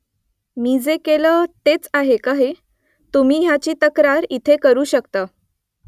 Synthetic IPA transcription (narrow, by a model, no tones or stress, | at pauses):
miːd͡zekeləːt̪et͡saɦekaɦe | t̪um̤iːɦjat͡ɕiːt̪əkɾaɾit̪ʰekəɾuːɕəkt̪a